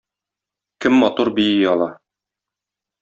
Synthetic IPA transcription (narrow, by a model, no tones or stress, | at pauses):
kɘmːɒt̪uɾbijiɒlˠɑ